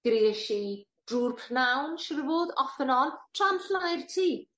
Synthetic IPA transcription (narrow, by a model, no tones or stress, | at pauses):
ɡ̥ɾeːʃi | d̥ruːrpʰrnawnʃɪrvoːðɔfənɔlˠtʰranɬlajrtʰiː